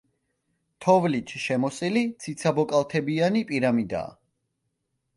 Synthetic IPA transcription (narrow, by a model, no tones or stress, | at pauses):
t̪ʰɔvlit͡ʃʰʃɛmɔsʼilit̪sʰit̪sʰabɔkʼalˠt̪ʰɛbianipʼiɾamid̪a̰ː